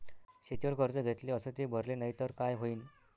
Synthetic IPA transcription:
ɕet̪iʋəɾkəɾd͡zəɡʱet̪leəsət̪ebʱəɾlenaɦit̪əɾkajɦoiːn

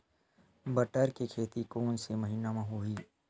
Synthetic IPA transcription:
bəʈəɾkekʰeːt̪ikoːnsemɐɦiːnamãɦoiː

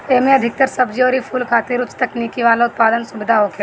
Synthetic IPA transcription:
eːmẽɐd̪ʱɪk̚t̪əɾsɐbd͡ʒiɔːɾipʰuːlkʰaːt̪iɾʊt͡ʃt̪ɐknikiʋaːlaʊt̪̚paːd̪ənsʊbɪd̪ʱaɦokʰe

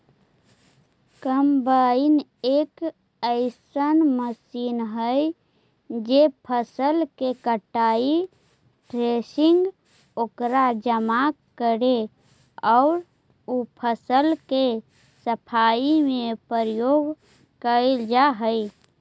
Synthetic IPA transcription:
kəmbainek | əɪsənməsinɦəj | d͡ʒepʰəsəlkekəʈːai | ʈɾesiŋɡ | okɾad͡ʒəma | kːəɾe | ɔʊɾ | upʰəsəlke | səpʰaimẽpəɾjoɡ | kəld͡ʒaɦəj

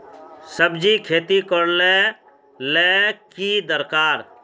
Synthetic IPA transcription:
səbd͡ʒikʰeːt̪ikəɽle | lekid̪əɾkaːɾ

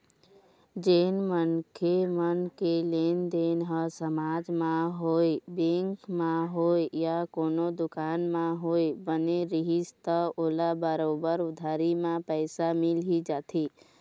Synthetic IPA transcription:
d͡ʒeːnmənkʰemənkelend̪eːnɦəsəmaːd͡ʒmãɦoibẽŋkmãɦoejakoːnod̪ʊkaːnmãɦoːebəneɾiɦist̪əoːlabəɾoːbəɾʊd̪ʱaɾimãpəɪsamɪlɦid͡ʒaːt̪ʰi

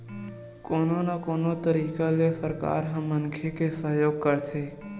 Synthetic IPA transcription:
koːnonakoːnot̪əɾiːkalefəɾka̰ːɾɦəmːənkʰekesəjoːɡ̚kəɾt̪ʰeː

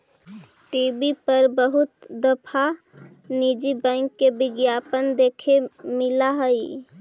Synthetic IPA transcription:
ʈiːbipəɾbəɦʊt̪d̪əpʰa | niːd͡ʒibɛ̃ɪŋkːebɪɡjaːpənd̪eːkʰemɪlaɦəi

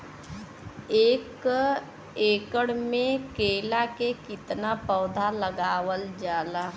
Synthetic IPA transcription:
eːk | eːkəɽmẽkeːlakekɪt̪napɔːd̪ʱaləɡaːwəld͡ʒaːla

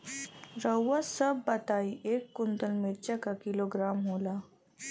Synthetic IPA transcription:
ɾəwːəsəbːət̪aiʔekːunt̪əlmeʈ̚t͡ɕakakiloɡɾamɦola

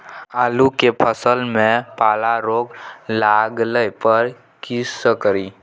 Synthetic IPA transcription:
alukepʰəsəlmẽpalaɾoɡlaɡləjpəɾ | kisəkɾi

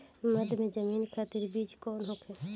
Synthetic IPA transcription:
məd̪ʱmẽd͡ʒəmiːnkʰaːt̪ɪɾbiːd͡ʒkɔːnɦoːkʰɛː

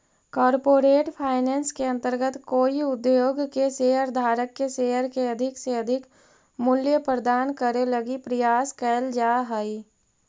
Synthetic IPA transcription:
kɔːɾpoːɾeːʈpʰaːɪnɛːnskeɐ̃nt̪əɾɡət̪koːiʊd̪jjoːɡkeseːɦəɾd̪ʱaːɾəkːeseːɦəɾkeɐd̪ʱɪkseɐd̪ʱɪk | mʊljəpɾəd̪aːnkəɾeləɡipɾəjaːskɛːld͡ʒaːɦai

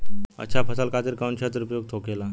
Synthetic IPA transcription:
ə̰t͡ɕʰapʰəsalkat̪iɾkaunɕet̪əɾupjoɡ̚t̪ʰokela

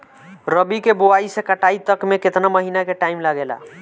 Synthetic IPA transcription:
ɾəbikeboaisẽkəʈait̪əkmeket̪naməɦinakeʈaimlaɡela̰

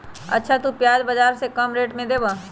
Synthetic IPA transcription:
ɐ̰tːʃʰat̪upjaːd͡ʒbɐd͡ʒaːɾsekɐmɾeːʈmẽd̪eːbaː

